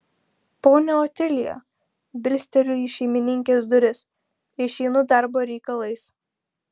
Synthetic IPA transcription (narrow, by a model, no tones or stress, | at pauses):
poːnʲɛɔːt̪ʲɪlʲɪjo̰ | bʲɪlʲsʲt̪ʲɛlʲʊiʃʲɛɪmʲɪnʲɪŋʲkʲeːsd̪ʊɾʲɪs | ɪʃʲɛɪnʊd̪ɑˑɾboːɾʲɛɪkɐlˠɐɪs